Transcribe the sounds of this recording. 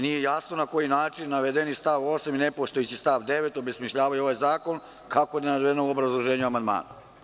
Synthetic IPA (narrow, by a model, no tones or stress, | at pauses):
nijejasno̞nako̞jinaːt͡ʃinːaʋed̪enist̪aʋo̞saminepost̪ojet͡ɕist̪aʋd̪e̞ʋet̪o̞besmiʃʎaːʋajo̞ʋajzaːko̞n | kakoed̪enad̪ʋenoobɾazlˠoʒe̞ːɲuamand̪ma̰ːna